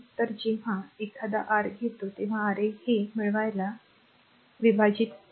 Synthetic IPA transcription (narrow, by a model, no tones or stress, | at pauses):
t̪əɾd͡ʑeʋ̤aekʰad̪a̰ʔaɾɡʱet̪ot̪eʋ̤aːɾehemiɭʋajla | ʋibʱad͡ʑiːt̪